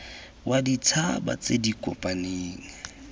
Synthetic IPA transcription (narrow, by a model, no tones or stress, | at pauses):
wʔadit͡sʰaba̰t͡sedikʼɔpʼaneːŋ̩